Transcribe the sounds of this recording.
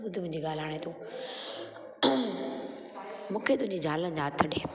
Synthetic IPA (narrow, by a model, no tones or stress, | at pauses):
ʊd̪ʱmʊ̃ɪ̃ɲd͡ʑiːɡaːlaːɽ̃et̪ʰuː | mũːkʰet̪ʊɦɪ̃ɲd͡ʑid͡ʑʱaːlə̃d͡ʑaːt̪ʰːɐɗeː